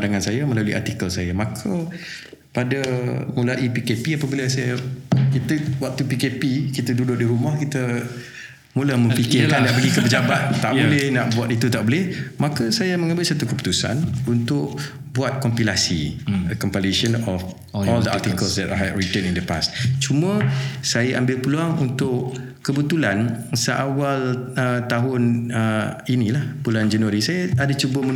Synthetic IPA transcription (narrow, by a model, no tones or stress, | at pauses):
daŋansajamə̃laluiʔa̰rt̪ikəlsajamãkʰa | padamulaʔipikepiapabilasajakit̪əbwak̚t̪upikepikit̪ədudʊʔ̚diɾumahkit̪ə | mulahmə̃fikɪkandaʔbəɾɡikəpəd͡ʒabat̪̚ːaʔbolɪhnaʔbuat̪it̪ut̪aʔbolɪhmãkasajamə̃ŋabɪl̚sat̪ukəpu̥t̪usa̰nunt̪ʊʔ | buat̪̚kɔmpilasḭəkɔmpaleʃənɔf | ɔld̪əa̰t̪ikəlsdɛ̰ta̰ɹit̪ə̃nindəpa̰st͡ʃumə̃sajaʔambɪlpəluaŋunt̪ʊʔ | kəbət̪ulansəʔawalət̪aɦʊnəinĩlahbuland͡ʒanwaɾisajaadat͡ʃubəmə